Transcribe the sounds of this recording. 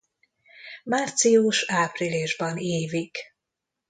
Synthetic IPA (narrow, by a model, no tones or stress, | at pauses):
maːrt̪sijuʃaːprileʒbɒneːvik